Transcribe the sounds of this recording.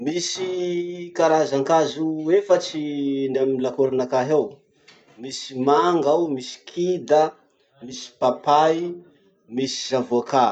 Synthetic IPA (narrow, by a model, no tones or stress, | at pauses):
misikaɾazaŋkazuefət͡sinamilakuɾanakaɦew | misimaŋɡawmisi̥kʰid̪ə | misi̥papaj | misi̥zavuaka